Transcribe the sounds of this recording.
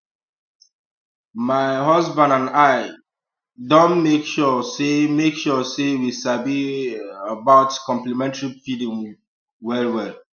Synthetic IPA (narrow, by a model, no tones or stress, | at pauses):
maɪɦɔzbãndãnaɪ | dõnmekʃɔsemekʃɔsewisabiəbaʊtkɔ̃mplimɛ̃ntɹifidĩm | wɛlwɛl